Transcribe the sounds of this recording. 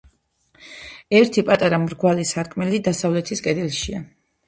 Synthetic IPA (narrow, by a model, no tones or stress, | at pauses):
ɛɾt̪ʰipʼat̪ʼaɾamɾɡwalisaɾkʼmɛlid̪asavlɛt̪ʰiskʼɛd̪ɛlʃia